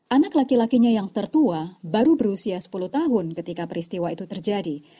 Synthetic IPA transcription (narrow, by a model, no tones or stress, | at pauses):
ʔanaklakilakiɲajaŋt̪ərt̪uabaɾubəɾusiasə̥puluht̪aɦʊnkət̪ikapəɾist̪iwait̪ut̪ərd͡ʒadi